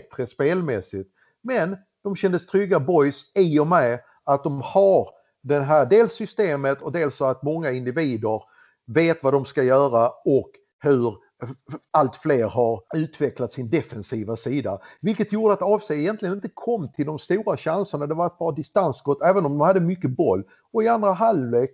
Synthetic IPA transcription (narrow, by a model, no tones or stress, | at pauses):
t̪ɾəspeːlmɛsɪt̪ | mɛn | d̪̥ɔmɕɛnd̪əst̪ʰɾʏɡːabɔjsɪɔmɛ | at̪̚d̪ɔmhaɾ | d̪ɛnɦæːɖ̪eːlsʏst̪eːmət̪ʰɔd̪eːlsɔat̪mɔŋːaɪnd̪ɪviːd̪əɾ | veːt̪vad̪ɔmskajœːɾaɔk | hɵɾ | alt̪fleːɾɦaɾʉ̟ːt̪vɛklat̪sɪnd̪ɛfɛnsiːvasiːd̪avɪlkət̪juːɖəat̪ɑvsɛjɪjɛnt̪lɪɡənɪnt̪ːəkʰɔmːt̪ʰɪld̪ɔmst̪uːɾaɕansəɳad̪ɛvaɾɛt̪̚bɑːad̪ɪst̪ansɡɔt̪ːɛːvənɔmd̪ɔmhad̪ːəmʏkːəbɔlː | ɔɪand̪ɾaɦalveːk